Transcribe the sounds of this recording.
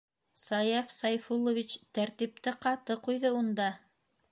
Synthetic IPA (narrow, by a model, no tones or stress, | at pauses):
sɑjɑfsɑjfulˠːovʲit͡ɕt̪æɾt̪ip̚t̪ɘqɑt̪ɤqujðɤund̪ɑ